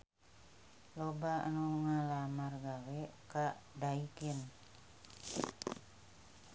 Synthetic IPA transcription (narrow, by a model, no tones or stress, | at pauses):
loba̰nuŋalamarɡawɛkadaikin